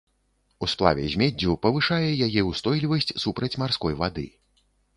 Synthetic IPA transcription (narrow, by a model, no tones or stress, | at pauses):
usplˠa̰vʲɛ̰zʲmʲɛd͡zʲːupɐvɨʂajɛjajɛwst̪ɔjlʲivɐsʲt͡sʲsupɾɐt͡sʲmarskɔjva̰d̪ɨ̰